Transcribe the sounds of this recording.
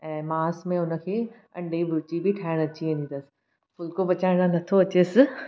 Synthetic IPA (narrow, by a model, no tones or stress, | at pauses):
ɛ̃ːmaːsmẽʊnə̆kʰeː | ɐ̰̃ɳɖibʱʊɾt͡ɕibʱiʈʰaːɪɽ̃ɐt͡ɕiẽːnd̪ind̪əsɪ̥ | pʊlkobɐt͡ɕaːɪɽ̃anɐt̪ʰoɐt͡ɕeːsɪ